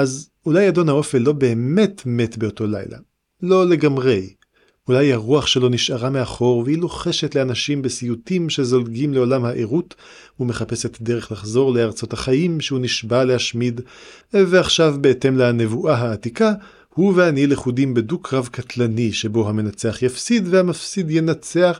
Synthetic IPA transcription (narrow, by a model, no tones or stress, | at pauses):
ʔaz | ulajado̞nhao̞felːo̞be̞ːme̞tme̞tbe̞oto̞la̰jla̰ | lo̞le̞ɡamʁe̞j | ulajhaʁuaχʃelo̞niʃʔaʁameaχo̞ʁvehiloχe̞ʃetle̞anaʃimbesijutimʃe̞zo̞lɡimle̞o̞lamhaʔeʁut | ume̞χape̞set̪d̪e̞ʁeχlaχzo̞ʁleaʁt͡so̞thaχajimʃehuniʃbalehaʃmidveaχʃavbeete̞mleane̞vuʔaɦaːtika | huvehanjeleχudimbe̞dukʰʁavkatlaniʃe̞bo̞ɦame̞nat͡seaχjafsid̪vehamafsidjenat͡se̞aχ